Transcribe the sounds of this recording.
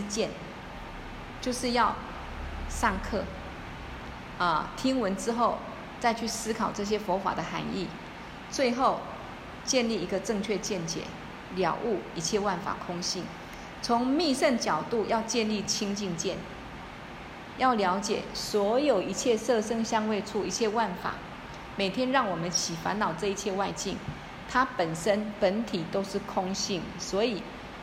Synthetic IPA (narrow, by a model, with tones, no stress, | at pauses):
t͡ɕjɛ˥˨n | t͡ɕjo˥˧ʊʂɻ̩˥˧jɑ˥˧ʊ | ʂɑ˥˧ŋkʰɤ˥˩ | ə˨t̪ʰi˥ŋwə˧˥nʈ͡ʂɻ̩˥xo˥˩ʊ | t͡sa˥˧ɪt͡ɕʰy˥˩sɹ̩˥kʰɑ˨˩ʊʈ͡ʂɤ˥˩ɕ̬jɛ˥fɔ˧˥fa̰˨˩d̪ə˦xa̰˧˥nḭ˥˩ | t͡swe˥˧ɪxo˥˩ʊ | t͡ɕjɛ˥˧nli˥˩i˧˥ɡə˧ʈ͡ʂɤ˥˧ŋt͡ɕʰɥɛ˥˧t͡ɕjɛ˥˩nt͡ɕjɛ̰˨˩˦ | ljɑ̰˨˩ʊʔu˥˩i˧˥t͡ɕʰjɛ˥˧wa˥˩nfa̰˨˩kʰʊ˥ŋɕi˥˩n | t͡sʰʊ˧˦ŋmi˥˧ʂə˥˩nt͡ɕjɑ˨˩ʊt̪u˥˧˨jɑ˥˧ʊt͡ɕjɛ˥˧nli˥˨t͡ɕʰi˥ŋt͡ɕi˥˧ŋt͡ɕjɛ˥˨n | jɑ˥˩ʊljɑ˧˥ʊt͡ɕjɛ˨˩swɔ˧˥jo˨˩ʊi˧˥t͡ɕʰjɛ˥˧sɤ˥˨ʂə˥ŋɕjɑ˥ŋwe˥˧ɪt͡sʰu˥˩i˧˥t͡ɕʰjɛ˥˧wa˥˩nfa̰˨˩˦ | me˨˩ɪt̪ʰjɛ˦nɻɑ˥˩ŋwɔ˨˩mə˨˦nt͡ɕʰi˨˩fa̰˧˦nlɑ˨˩ʊʈ͡ʂɤ˥˧i˥˧t͡ɕʰjɛ˥˧wa˥˧ɪt͡ɕi˥˨˩ŋ | t̪ʰa˦pə˨˩nʂə˦npə˨˦nt̪ʰi˨˩t̪o˥ʊʂɻ̩˥˩kʰʊ˥ŋɕi˥˩ŋswɔ˧˦˥i˨˩